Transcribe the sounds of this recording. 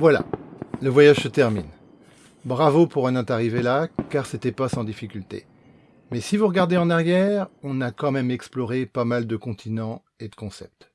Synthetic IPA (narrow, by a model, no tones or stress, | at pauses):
vwala̰ləvwajaʒsət̪ɛʁmḭn | bʁavopuʁɛ̃nɛ̃t̪aʁivelakaʁset̪ɛpasɑ̃d̪ifikʲylt̪ḛ | mɛsivuʁəɡaʁd̪eɑ̃naʁjɛʁɔ̃nakɑ̃mɛmɛksplɔʁepamald̪əkɔ̃t̪ʰinɑ̃ | ed̪əkɔ̃sɛ̰p̚t̪